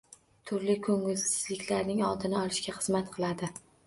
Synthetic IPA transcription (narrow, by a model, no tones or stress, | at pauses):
t̪ʰʊɾlɪkʰɵŋɪlsɪz̥lɪkʲlaɾnɪŋɒlˠd̪ɪnɪɒlˠɪʃkʲaχɨzmat̪qʰɨlˠad̪ɪ